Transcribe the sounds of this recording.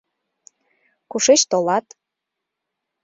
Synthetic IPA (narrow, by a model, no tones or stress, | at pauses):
kuʃet͡ɕt̪olɑt̪